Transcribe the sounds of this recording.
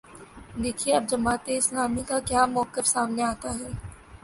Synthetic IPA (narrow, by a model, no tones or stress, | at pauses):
d̪eːkʰieɐb̚d͡ʒɐmaːt̪eɪsnaːmikakjaːmɔːkɪfsaːmneaːt̪aɦɛː